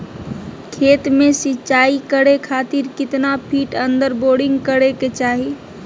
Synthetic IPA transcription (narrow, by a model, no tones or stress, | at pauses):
kʰeːt̪mẽsit͡ʃaːikəɽekʰaːt̪iɾkɪt̪napʰiːʈə̃nd̪əɾboːɽɪ̃ŋɡkəɽeket͡ʃaːɦi